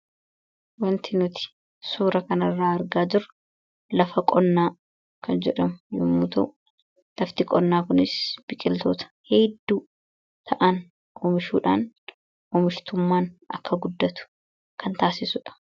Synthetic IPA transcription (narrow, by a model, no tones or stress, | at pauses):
wɐnt̪ɪnʊt̪ɪ̥ | suːɾɐkɐnɐrːaːɐɾɡaːd͡ʒɪɾ | lɐfɐkʼɔnːaː | kʰɐnd͡ʒɛᶑɐmʊjʊmːut̪ɐʔʊ | lɐft̪ɪkʼɔnːaːkʊnɪsb̥ɪkʼɪlt̪o̰ːt̪ɐ̥hɛd̪ːuː | t̪ʰɐʔɐn | ʔɔmɪʃuːᶑa̰ːn | ɔmɪʃt̪ʊmːaːnɐ̰kːɐɡʊd̪ːɐt̪ʊ̥ | kʰɐnt̪aːsɪsʊᶑɐ̥